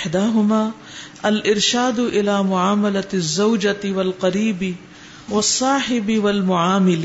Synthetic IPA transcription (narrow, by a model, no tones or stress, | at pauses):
ħd̪aːɦʊmaː | ɐlʔɪɾʃaːd̪ʊʔɪlaːmʊʕaːmɐlat̪zːawd͡ʒat̪ɪwɐlqɐɾiːbɪ | wɐsˤːɑːħɪbɪwɐlmʊʕaːmɪl